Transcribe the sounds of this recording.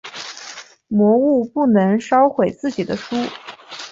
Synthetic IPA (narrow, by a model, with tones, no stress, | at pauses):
mwɔ˧˥u˥˧pu˥˩nɤ˧˥ŋʂɑ˥ʊxwe˨˩ɪt͡sɹ̩˥˩t͡ɕi˨˩d̪ə˦ʂu˥